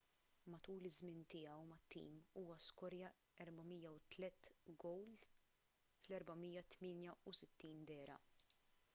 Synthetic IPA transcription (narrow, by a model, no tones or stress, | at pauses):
mɐt̪uːlɪzmɪnt̪ɪːjɐwmɐt̪ːḭːmuːwɐskɔɾjɐ | ɛɾbɐmijɐwt̪lɛt̪ːɡɔwl | flɛɾbɐmijːɐt̪mɪːnjɐusɪt̪ːiːnd̪ɛːɾɐ̰